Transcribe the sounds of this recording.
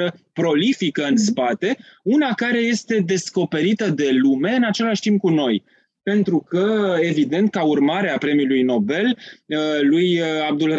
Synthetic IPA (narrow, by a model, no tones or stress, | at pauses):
əpɾo̞lifikəɨnspat̪e̞unakaɾe̞je̞st̪e̞d̪e̞sko̞pe̞ɾit̪əd̪e̞lume̞ɨnat͡ʃe̞laʃt̪imp̚kuno̞j | pe̞nt̪ɾukəe̞vid̪e̞nt̪̚kaurmaɾeapɾe̞milujno̞be̞lː | ujab̚d̪ul